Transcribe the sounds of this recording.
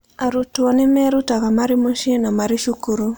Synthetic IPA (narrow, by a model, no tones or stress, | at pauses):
aɾutuɔnɛmɛɾutakamaɾimuʃinamaɾiʃukuɾu